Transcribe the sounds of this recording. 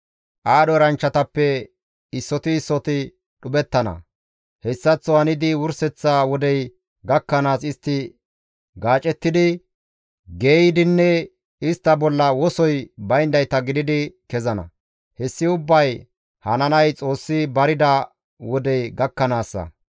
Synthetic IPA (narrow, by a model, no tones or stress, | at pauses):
ʔaːɗɔɾɐnt͡ʃːɐt̪ɐpːɛ | ɪsːɔt̪ɪːsːɔt̪ɪ | ɗʊbɛt̪ːɐnɐ̰ | hɛsːɐt͡sːɔhɐnɪd̪ɪwʊɾsɛt͡sːawɔd̪ɛj | ɡɐkːɐnaːsɪst̪ːɪ | ɡaːt͡ʃʼɛt̪ːɪd̪ɪ | ɡe̞ːjɪd̪ɪnːɛ | ɪst̪ːɐbɔlːɐwɔsɔjbɐjnd̪ɐjt̪ɐɡɪd̪ɪd̪ɪkɛzɐnɐ̰ | hɛsːɪʊbːɐj | hɐnɐnɐjt͡sʼo̞ːsːɪbɐɾɪd̪ɐ | wɔd̪ɛjɡɐkːɐnaːsːɐ̰